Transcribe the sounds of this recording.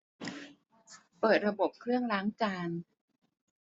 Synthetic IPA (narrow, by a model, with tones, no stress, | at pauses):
pɤː˨˩t̪̚ɾa˧bo˨˩p̚kʰɾɯ˥˩əŋlaː˦˥ŋt͡ɕaː˧n